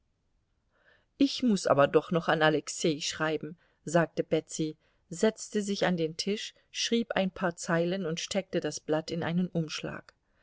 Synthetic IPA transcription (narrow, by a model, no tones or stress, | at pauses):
ʔɪçmʊsʔa̰ːbɐdɔχnɔχanalɛkseːʃʁ̥aɪbm̩ | zaːk̚təbɛt͡si | zɛt͡stəzɪçandeːntʰɪʃ | ʃʁ̥iːpa̰ɪnpʰaːɐt͡saɪlənʊntʃtʰɛk̚tədasb̥latɪnʔa̰ɪnənʔʊmʃla̰ːk